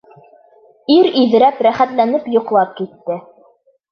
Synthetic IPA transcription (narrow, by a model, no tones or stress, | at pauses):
iɾiðɘ̆ɾæpɾæχæt̪lænɘpjŏqlˠɑp̚kit̪ːɘ